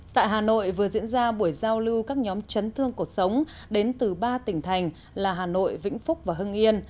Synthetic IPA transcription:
t̪a̰ː˧˨jɦaː˨˩no̰˧˨jvɨ˨˩ə˩zḭ˧˥ənzaː˧ɓu˧˩əjzaː˧wlɨ˧wkaː˦˥k̚ɲɔ˨˦mt͡ɕə˨˦nt̪ʰɨ˧əŋku˨˩t̚sə˨˦wŋ͡m | ɗe˨˦nt̪ɨ˨˩ɓaː˧t̪ï˧˩ŋ̟t̪ʰa˨˩jŋ̟ | laː˨˩ɦaː˨˩no̰˧˨jvḭ̈˧˥ŋ̟fʊ˦˥k͡p̚vaː˨˩ɦə˧ŋʔi˧ən

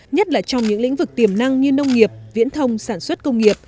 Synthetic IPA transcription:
ɲə˦˥t̚laː˨˩t͡ɕɔ˧wŋ͡mɲɨ̰˧˥ŋlḭ˧˥ŋ̟vɨ˨˩k̚t̪i˨˩əmna˧ŋɲɨ˧nə˧wŋ͡mŋi˨˩əp̚vḭ˧˥ənt̪ʰə˧wŋ͡msaː˧˩nswə˦˥t̚kə˧wŋ͡mŋi˨˩əp̚

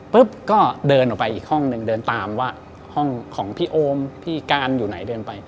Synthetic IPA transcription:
pɯ˦˥p̚kɔː˥˩dɤː˧nʔɔː˨˩pa˧jʔiː˨˩k̚hɔ˥˩ŋnɯ˧ŋdɤː˧nt̪aː˧mwaː˥˩ | hɔ˥˩ŋkʰɔː˩˦ŋpʰiː˥˩ʔoː˧mp̪ʰiː˥˩kaː˧njuː˨˩na˩˦jdɤː˧npa˧j

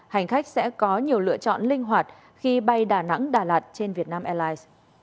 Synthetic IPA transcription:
ha˨˩jŋ̟xa˦˥jk̟̚sɛ̰˧˥kɔ˨˦ɲi˨˩əwlɨ̰˧˨ət͡ɕɔ̰˧˨nlï˧ŋ̟ɦwaː˨˩t̚ | xi˧ɓa˧jɗaː˧˩na̰˧˥ŋɗaː˨˩laː˨˩t̚t͡ɕe˧nvi˨˩ət̚naː˧mʔɛ˧laː˧js

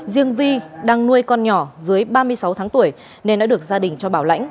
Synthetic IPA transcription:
zi˧əŋvi˧ɗaː˧ŋnu˧əjkɔ˧nɲɔ˧˩zɨ˨˦əjɓaː˧mɨ˧əjsa˨˦wt̪ʰaː˨˦ŋt̪u˧˩əj | ne˧nːɔ̰˧˥ɗɨ˨˩ək̚zaː˧ɗï˨˩ŋ̟t͡ɕɔ˧ɓaː˧˩wla̰˧˥jŋ̟

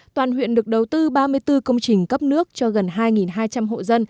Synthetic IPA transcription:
t̪waː˨˩nhwḭ˧˨ənɗɨ˨˩ək̚ɗə˨˩wt̪ɨ˧ɓaː˧mɨ˧əjt̪ɨ˧kə˧wŋ͡mt͡ɕï˨˩ŋ̟kə˦˥p̚nɨ˦˥ək̚t͡ɕɔ˧ɣə˨˩nɦaː˧jŋi˨˩nɦaː˧jt͡ɕa˧mɦo̰˧˨zə˧n

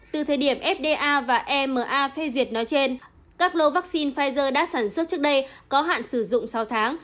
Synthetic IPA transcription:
t̪ɨ˨˩t̪ʰəː˨˩jɗi˧˩əmʔɛ˦˥p̚ɗe˧ʔaː˧vaː˨˩ʔɛ˧məː˨˩ʔaː˧fɛ˧zwi˨˩ət̚nɔ˨˦jt͡ɕe˧n | kaː˦˥k̚lo˧vaː˦˥k̚si˧nfaː˧jzəː˧ɗa̰ː˧˥saː˧˩nswə˦˥t̚t͡ɕək̚ɗə˧jkɔ˨˦ɦa̰ː˧˨nsɨ˧˩zʊ̰˧˨ŋ͡msa˨˦wt̪ʰaː˨˦ŋ

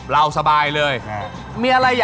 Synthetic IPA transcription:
ɾa˧wsa˧baː˧jlɤː˧j | miː˧ʔa˧ɾa˧jːaː˨˩

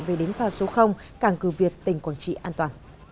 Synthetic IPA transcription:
ve˨˩ɗe˨˦nfaː˧so˨˦xə˧wŋ͡m | kaː˧˩ŋkɨ˨˩vi˨˩ət̚t̪ï˨˩ŋ̟kwaː˧˩nt͡ɕḭ˧˨ʔaː˧nt̪waː˨˩n

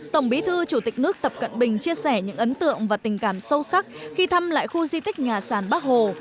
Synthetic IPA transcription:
t̪ə˧˩wŋ͡mɓi˨˦t̪ʰɨ˧t͡ɕu˧˩t̪ï˨˩nɨ˦˥ək̚t̪ə˨˩p̚kə̰˧˨nɓï˨˩ŋ̟t͡ɕi˧əsɛ˧˩ɲɨ̰˧˥ŋʔə˨˦nt̪ɨ̰˧˨əŋvaː˨˩t̪ï˨˩ŋ̟kaː˧˩msə˧wsa˦˥k̚xi˧t̪ʰa˧mla̰ː˧˨jxu˧zi˧t̪ï˦˥k̟̚ɲaː˨˩saː˧˩nɓaː˦˥k̚ho˨˩

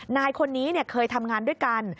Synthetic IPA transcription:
aː˧jkʰo˧nːiː˦˥ni˥˩ɐkʰɤː˧jt̪ʰa˧mŋaː˧ndu˥˩jka˧n

